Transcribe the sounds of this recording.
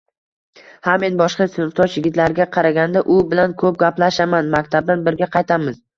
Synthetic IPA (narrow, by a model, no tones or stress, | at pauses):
hamːe̞nbɒʃqɑsɪnɪft̪ʰɒʃjɪɡʲɪt̪laɾɡʲaqʰɑɾaɡʲand̪aʔʊbɪlankʰɵp̚ɡʲaplaʃamanmakʲt̪ʰab̚d̪anbɪɾɡʲaqʰɑjt̪ʰamɪz